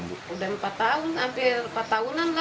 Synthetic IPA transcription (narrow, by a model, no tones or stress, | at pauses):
udampat̪aunt̪ampirpat̪ːaunanla